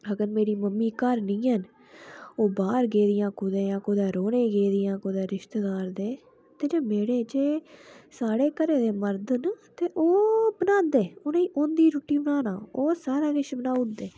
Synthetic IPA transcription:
əɡəɾmeːɾiːməmːiːkəɾnĩːɦən | oːbaːɾɡeːd̪ɪjãːkʊd̪ẽːjãːkʊd̪aːɾoːnẽːɡeːd̪ɪjãːkod̪eːɾɪʃt̪ːd̪aːɾd̪eː | t̪eːd͡ʒeːmeːɽeːd͡ʒeːsaːɽeːkəɾeːd̪eːməɾd̪nt̪eːʔoːbənãːd̪eːonẽʔoːnd̪iːɾuːʈiːbənaːna̰ːoːsaːɾaːɡɪʃbənaːʊd̪eː

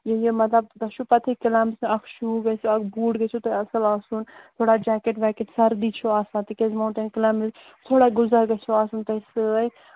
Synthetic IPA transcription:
jejemɐt̪lɐb̚d̪ɐʃʰupɐt̪ʰikɪlaːmɪsɐkʰʃuːɡɐsoɐkʰbuːɽɡɐt͡ʃʰut̪ɐɐsəlaːsuːnt̪ʰoːɽaːd͡ʒaːkeʈʋɛːkeʈsɐɾd̪iːt͡ʃʰoaːsãːt̪ikezmɐːɳʈenkɪlaːmɪz | t̪ʰoːɽaːɡʊzəɾɡɐt͡ʃʰoaːsuːnt̪ɐsɨ

